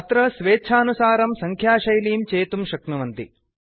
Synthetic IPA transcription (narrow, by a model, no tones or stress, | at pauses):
ɐt̪ɾɐsʋeːt͡ʃʰaːnusaːɾɐmsɐŋkʰjaːʃɐjliːmt͡ʃeːt̪umʃɐknuʋɐnt̪i